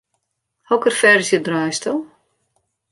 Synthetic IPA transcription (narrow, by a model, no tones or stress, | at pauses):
hɔkərfɛɾɪsjədrœjstəlˠ